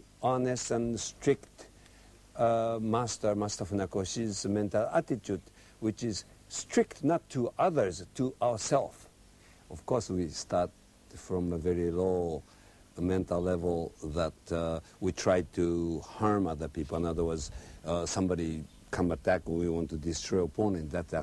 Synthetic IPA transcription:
ɑnɨstə̃nstɹ̥ɪkt | mæstə˞mæstə˞funakoʃizmɛ̃ntl̩ˠæ̰tɨtʰjud | wɪt͡ʃɪz̥ | stʰɹ̥ɪk̚tnətʰːəʔʌðə˞ztʰəʔaʊə˞sɛlˠf | ʌv̥kʰɔɹswistʰɑɹt̚ | fɹɔ̃məvɛɹiloʊ | mɛ̃ntl̩ˠlɛvl̩ˠðətwitʰɹ̥aɪd̚tʰuhɑɹmʌðə˞pipl̩ˠɪ̃nʌðə˞wɜ˞dz̥sʌ̃mbɑɾi | kʰʌ̃mət̚æknwiwɑ̃ntɨdɪstʰɹ̥ɔɪəpʰɔ̃nɨ̃nðɨt

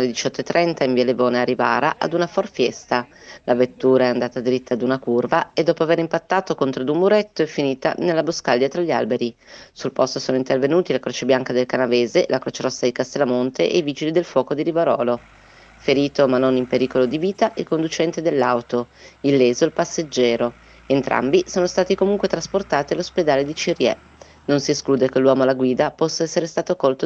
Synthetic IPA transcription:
led̪it͡ʃɔt̪ːoet̪ːɾʔɛnt̪aiɱviːalevoːnearːivaːɾaʔa̰d̪unafɔrfjɛst̪alʔavet̪ːuːɾaɛand̪aːt̪ad̪iɾit̪ʰːaːd̪unakurvaed̪ːɔːpoaveɾimpat̪ːaːt̪okont̪ɾod̪umːuɾɛt̪ːoɛfːiniːt̪a̰nelːaboskald̪jat̪ɾaʎːia̰lbeɾisulpɔst̪osoːnoint̪ervenuːt̪ilakɾot͡ʃebjaŋkad̪elkanaveːzelʔakɾot͡ʃeɾɔsːad̪ikast̪elːamont̪eʔeiviːd͡ʒilid̪elfwɔːkod̪iɾivaɾɔːlo | feɾiːt̪omanːonimpeɾiːkolod̪iviːt̪aʔilkond̪ut͡ʃɛnt̪ed̪elːawt̪o | ilːeːzoelpasːed͡ʒːɛːɾo | ent̪ɾʔa̰mbisoːnost̪aːt̪ikomuŋkwet̪ɾasport̪aːt̪ialosped̪aːled̪it͡ʃirjɛ̰ | nonsieskluːd̪ek̟elwɔːmoalaɡwiːd̪apɔsːaɛsːeɾest̪aːt̪okolt̪o

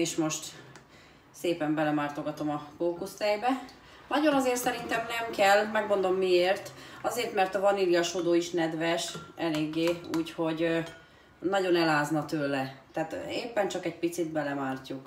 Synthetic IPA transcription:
eːʃmo̞ʃt̪ | seːpɛmbɛlɛmaːrt̪o̞ɡɒt̪o̞mɒfoːkust̪ɛjbɛ | nɒɟo̞nɒzeːrt̪sɛɾin̪t̪ɛmnɛmkɛlːmɛɡmo̞nd̪o̞mːieːrt̪ɒzeːrt̪mɛrt̪ɒvɒnilijɒʃod̪oːiʃnɛd̪ʋɛʃɛleːɡːeːuːcho̞ɟ | nɒɟo̞nɛlaːznɒt̪øːlɛt̪ɛaːt̪eːpːɛnt͡ʃɒkɛɟ̚pit̪sid̪̚bɛlɛmaːrcuk

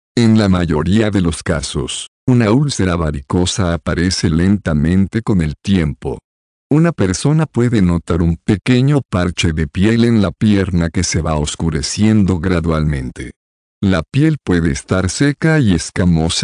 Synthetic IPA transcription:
e̞nlamaʝo̞ɾiaðe̞lo̞skaso̞̰s | unaulseɾaβaɾiko̞saːpaɾe̞se̞le̞nt̪amẽ̞nt̪e̞ko̞ne̞lt̪je̞mpo̞̰ | unape̞ɾso̞napwe̞ðe̞no̞t̪aɾumpe̞ke̞ɲo̞paɾt͡ʃe̞ðe̞pje̞le̞nlapje̞ɾnake̞se̞βao̞skuɾe̞sje̞nd̪o̞ɣɾaðwalmẽ̞nt̪e̞̰ | lapje̞lpwe̞ðe̞ːst̪aɾse̞kaie̞skamo̞sa

